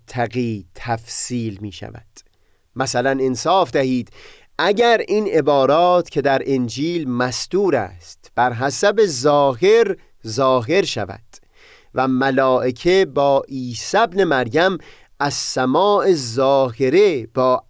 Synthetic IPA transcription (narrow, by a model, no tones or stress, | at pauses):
t̪ʰːæɣiːt̪ʰæfsiːlmiːʃæ̰væ̰d̪̥ | mæsælænensɒːfd̪æhiːd̪̥ | ʔæɟæɾinʔe̞bɒːɾɒːt̪ʰcʰe̞d̪æɾʔend͡ʒiːlmæsd̪̥uːɾæ̰ːst̪b̥æɾɦæsæbe̞zɒːɦe̞ɾ | zɒːɦe̞ɾʃæ̰væ̰d̪̥ | væmælɒːʔekʰebɒːʔiːsæbne̞mæɾjæm | ʔæzsæmɒːʔe̞zɒːɦheɾe̞bɒː